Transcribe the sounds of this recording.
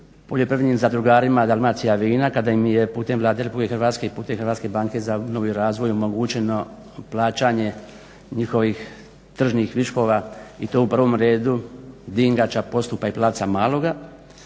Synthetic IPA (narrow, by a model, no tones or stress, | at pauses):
po̞ʎjopɾiʋimzad̪ɾuɡaːɾimad̪almat̪sijaʋiːnakad̪ajimje̞puːt̪e̞mʋlˠaːd̪eɾepulikexrɾʋaːt̪ske̞ipuːt̪e̞mxrɾʋaːt̪ske̞baːŋke̞zano̞ʋijɾaːzʋo̞jo̞mo̞ɡut͡ɕe̞no̞ | plˠaːt͡ɕaɲe̞ | ɲixo̞ʋix | t̪r̩ʒnixʋiʃko̞ʋait̪o̞upr̩ʋomɾe̞ːd̪ud̪iŋɡat͡ʃapo̞st̪upaiplˠaːt̪samaːlˠo̞ɡa